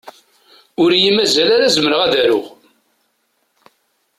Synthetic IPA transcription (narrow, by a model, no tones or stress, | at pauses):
ʊɾjimæzælaɾæzəməɾəʁæðæɾʊʁ